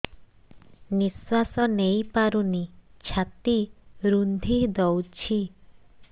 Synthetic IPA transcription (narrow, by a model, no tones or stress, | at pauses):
niswasɔnejpaɾunit͡ʃʰat̪iɾund̪ʱid̪ɔwt͡ʃʰi